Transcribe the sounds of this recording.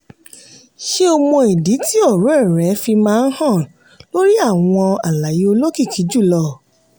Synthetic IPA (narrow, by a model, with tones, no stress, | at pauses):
ʃe˦o˧mõ˧i˨di˨˦ti˦ɔ˦˨ɾo˨˦ɛ˦˨ɾɛ˨˦fi˧mãː˦˧n̩˦hã˦˨ | lo˦ɾi˦a˦˨w̃ɔ̃˧a˨la˨je˧o˧lo˦ki˦˨kʰi˨˦d͡ʒu˦˨lɔ˧